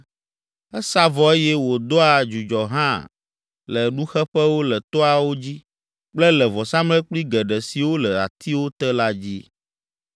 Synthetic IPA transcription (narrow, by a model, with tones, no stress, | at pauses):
ɛ˦sa˦vɔ˨e˦jɛ˦wo˨d̪ɔ˦a˨d͡ʒu˨d͡ʒɔ˨ɦã̰˦˨ | lɛ˨nũ˦xɛ˦ɸɛ˦wo˦lɛ˨t̪ɔ˦a˨wo˦d͡ʑi˦ | k͡plɛ˦lɛ˨vɔ˨sã˦mlɛ˦k͡pli˦ɡɛ˨ɖɛ˨si˨wo˦lɛ˨a̰˨t̪ʰi˦wo˦t̪ɛ˦la˦d͡ʑi˦